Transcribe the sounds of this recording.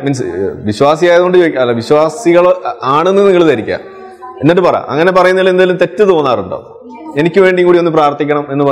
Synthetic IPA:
minsʋiɕwaːsijaːjɐðɨɣoɳɖɨt͡ɕoːjɐlːʋiɕwaːsiɣɐɭaːɳenːiniŋːɐɭt̪ɐɾikʲːa̰ːm | enːeʈːɨpɐrɐja̰mʔɐ̰ŋːɐne̞pɐrɐjunːɐðlend̪ðilumt̪e̞tːɨt̪o̞ːnːaːruɳɖo̰ː | e̞nikʲːɨʋe̞ːɳɖiŋkuːɽionːɨp̬raːrt̪ːikʲːɐɳɐme̞nːɨpɐ

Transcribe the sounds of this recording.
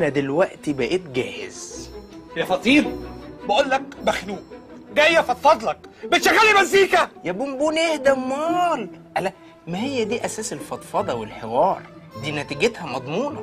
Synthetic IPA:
næd̪elwæʔt̪ibæʔeːt̪ɡæːhḛz̥ | hjæfɑt̪ˤiːɾobeʔoːlːæk̚bæxnuːd̪æhejːæfɑt̪fɑd̪ˤlɑkbet̪ʃæɣælimæzːiːkæjæbumbuːnehd̪æmɑːlʔælæ | mæhejːæd̪iːʔæsæːselfɑt̪ˤfɑd̪ˤɑwelħewɑːɾˤd̪iːnæt̪iɡet̪hæmɑd̪ˤmuːnɑ

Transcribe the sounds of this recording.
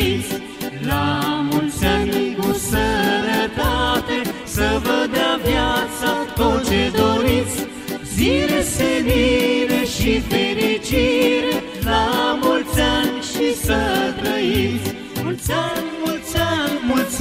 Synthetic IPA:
isʲ | lamulsankusənət̪at̪e̞ | səvəd̪eavjat̪sat̪ot͡ʃe̞d̪oɾit̪sʲ | zileseniɾeʃifeɾit͡ʃiɾe | lamult̪sanʃisət̪ɾəjisʲ | muamult̪sanmuls

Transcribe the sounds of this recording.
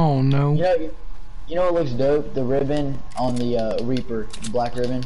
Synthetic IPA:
oʊnoʊjɨnoʊj | jɨnoʊwətˡlʊksdoʊp̚ðəɹɪbɨ̃n | ə̃nðɨʌɹipə˞ | ðəblækɹɪbɨ̃n

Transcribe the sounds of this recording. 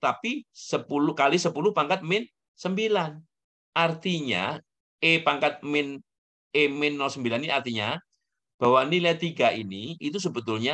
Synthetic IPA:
t̪apisəpulukalisəpuluhpaŋkat̪̚mɪn | səmbilan | ʔart̪iɲa̰ | epaŋkat̪̚mɪn | emɪnːɔsəmbilaniiart̪iɲa | b̥a̤wanilat̪iɡaʔiniːt̪us̬əbət̪ʊlɲa

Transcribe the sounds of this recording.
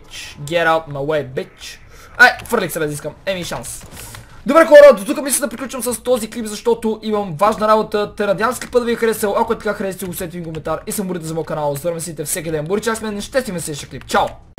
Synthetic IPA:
t͡ʃɡʲɛɾalt̪mɐlɛbit͡ʃ | ajfəɾlʲiksɛbɛd̪iskəmɛmiʃansd̪obɾɛxɔɾəd̪ot̪ukəmɛiskəd̪pɾiklʲut͡ʃəmsəst̪ɔziklipzɐʃt̪ɔt̪ʊʔimɐmvaʒnɐɾabot̪ət̪ɛɾɐd̪ianskipət̪viəxəɾɛsəlˠɐkʊɛt̪ɐ̥kaxɾɛsit̪ɛɡʊsɛt̪ɛviŋkomɛnt̪aɾisɐmʊɾit̪ɛzɐmɔjkɐnalˠzvəɾmɛsit̪ɛfsɛk̬ʲid̪ɛnboɾit͡ʃaksmɛnɛʃt̪ɛst̪ʲimɛsɛʃɛklipt͡ʃaʊ

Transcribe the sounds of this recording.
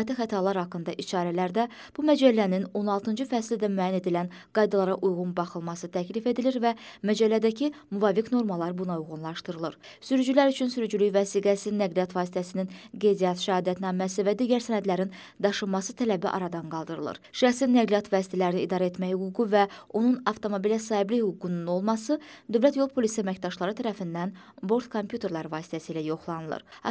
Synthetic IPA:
t̪ʰixæt̪ʰɑɾlˠɑɾhɑkːɯnd̪ɑʔit͡ʃʰɑːɾælæɾd̪æ | b̥umæd͡ʒælːænino̞nɑlˠt̪ʰɯnd͡ʒɯfæslid̪æmyæːjæne̞d̪ilæn | ɡ̥ɑjd̪ɑlˠɑɾɑʔujɣunbɑχɯlˠmɑsɯt̪ʰæclife̞d̪iliɾvæmæd͡ʒælːæd̪æcʰimuvɑːfikno̞ɾmɑlˠɑɾbunɑujɣʁunlˠɑʃt̪ɯɾɯlˠɯɾ | syɾyd͡ʒylæɾyt͡ʃʰynsyɾyd͡ʒylyçvæsiːɡæsiznæɡlijɑt̪vɑːsi̥t̪ʰæsininɡe̞jd̪ijɑt̪ʃæɑːd̪æt̪nɑmːæsivæd̪iːɟæɾsænæd̪læɾin | d̪ɑʃɯmɑsɯt̪ʰælæbiʔɑ̰ɾɑd̪ɑnɡɑlˠd̪ɯɾɯlˠɯ̰ɾʃæxsinːæɡlijɑt̪ʰvɑːsi̥t̪ʰælæɾiniiːd̪ɑːɾet̪mæçhyɡuɡuvæo̞nunɑft̪ʰo̞mo̞bilæsɑːhiblihyɡuɡununo̞lˠmɑsɯd̪ø̞vlæt̪jo̞lˠpʰo̞lisiæmæcd̪ɑʃlˠɑɾɯt̪ʰæɾæfind̪æn | bo̞ɾt̪kʰompʰjut̪ʰe̞ɾlˠɑɾvɑːsi̥t̪ʰæsiːlæjo̞χlˠɑnɯlˠɯ̰ɾɑ

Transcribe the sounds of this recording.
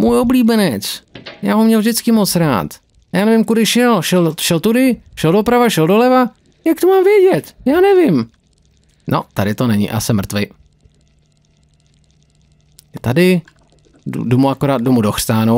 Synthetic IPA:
mujo̞bliːbɛnɛt͡sjaːɦomɲɛlvʒdɪt͡skɪmot͡sɾa̰ːt̪ | jaːnɛvɪmkudɪʃɛlʃɛlʃɛlt̪udɪʃɛldo̞pɾavaʃɛldolɛva | jak̚t̪omaːmvjɛɟɛt̪jaːnɛvɪm | nʔot̪adɪt̪onɛɲɪ̰ʔa̰sɛmr̩t̪vɪ | t̪adɪ | ṵdomuakoɾaːd̪̚domudoxr̥t̪aːno

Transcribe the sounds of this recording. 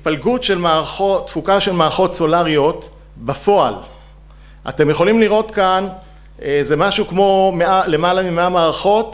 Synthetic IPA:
itpalɡutʃelmaʁaχotːfukaʃe̞lmaːʁaχo̞tso̞laʁio̞t | bafo̞a̰l | ʔa̰te̞mjeχo̞limliʁʔo̞tkan | ezemaʃukmo̞meale̞malamimeamaːʁaχo̞t

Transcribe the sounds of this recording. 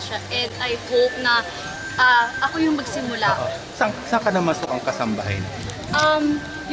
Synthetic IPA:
ʃaʔɛnd̪̚ɐjhop̚nɐ | ʔaːʔɐko̞jʊŋmɐɡsɪmʊlaʔo | sɐsɐkɐnɐmɐnsoʔɐŋkɐsɐmbɐɦa̰jn | ʔɐm | j

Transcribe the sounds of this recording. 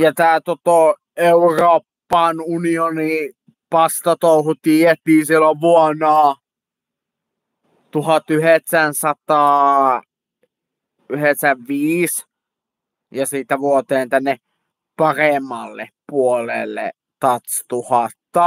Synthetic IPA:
jɑt̪æːt̪ot̪o | euroːpːɑnunioni | pɑst̪ɑt̪ouhut̪iet̪iːsilːoʋʋuɔnɑː | t̪uhɑt̪yheksænsɑt̪ɑː | yheksæʋʋiːs | jɑsiːt̪æʋuot̪eːnt̪ænːe | pɑremːˑɑlːḛpuolḛlːḛ | t̪ɑt̪st̪uhɑt̪ːɑ

